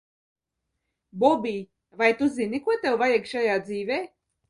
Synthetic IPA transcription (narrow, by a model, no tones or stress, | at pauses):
bɔbʲiː | vajt̪uzinikuɔt̪ɛwvajɛkʃajaːd̪ziːveː